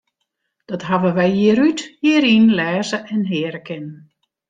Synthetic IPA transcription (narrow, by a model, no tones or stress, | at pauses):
d̥ɔtɦaʋəʋɛjjiəɾythiəɾinlɛːzəʔɛnɦɪːəɾəkʰɪnən